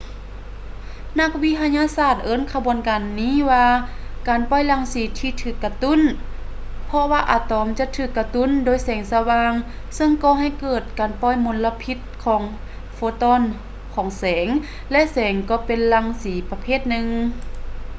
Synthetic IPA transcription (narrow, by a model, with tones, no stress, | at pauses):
na˧k̚wi˧t̪ʰa˧ɲaː˧saː˧˩t̪̚ʔɤː˧˥˨nkʰa˧bu˨ənkaː˨nːiː˧˥˨waː˧kaː˨˩npɔ˧˥˨jla˧˩ŋsiː˨˦t̪ʰiː˧t̪ʰɯː˧˩kːa˧t̪u˧˥˨n | pʰɔ˧waː˧ʔa̰ː˨˧˩t̪ɔː˨˧˦mt͡ɕa˧˨t̪ʰɯː˧˩kːa˧t̪u˧˥˨ndoː˨jsɛː˨˩˦ŋsa˧waː˧ŋ | sɤ˧ŋkɔː˧˦ɦa˧˩˨jkɤː˧˩t̪̚kaː˨˩npɔ˧˨jmo˧˦nla˧pʰi˧˥t̪̚kʰɔː˨˦ŋ | foː˧˦t̪ɔː˧˨n | kʰɔː˨˩˦ŋsɛː˩˦ŋ | lɛ˧ʔsɛː˨˦ŋkɔː˧˩pe˨nla˧˩ŋsiː˨˦pa˧pʰeː˧˩˨t̪̚nɯ˧ŋ